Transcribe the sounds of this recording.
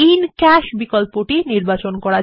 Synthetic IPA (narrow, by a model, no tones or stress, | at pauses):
inkɛʃbikolpoʈiniɾbat͡ɕonkɔɾa